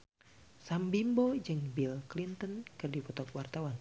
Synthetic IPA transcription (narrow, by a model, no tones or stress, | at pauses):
sambimbɔd͡ʒɨŋbilklint̪ənkɨrdipɔt̪ɔkwart̪awan